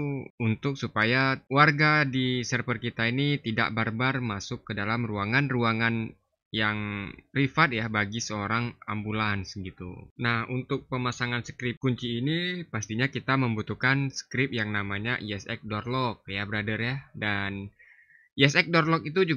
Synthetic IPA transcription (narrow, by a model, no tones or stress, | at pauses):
unt̪ʊk̚supajawarɡadisərpərkit̪ainit̪ida̰ʔbarbarmasʊkːədalamruaŋanruaŋan | jaŋrifat̪̚jabaɡisəoɾaŋa̰mbulansɡit̪ṵnahunt̪ʊk̚pəmasaŋansə̥kɾɪp̚kuɲt͡ʃiːnipast̪iɲakit̪aməmbut̪uhkansə̥kɾɪp̚jaŋnamaɲaʔiɛsɛk̚dɔrlɔk̚jabəɾadərjadan | iɛsɛk̚dɔrlɔk̚it̪ud͡ʒu